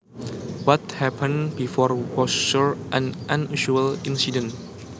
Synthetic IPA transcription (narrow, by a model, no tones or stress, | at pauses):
wɔt̚hɛpʰə̃nbifɔɹwɔsʃuɹʔãnʔãnuʃuəlĩnsidə̃n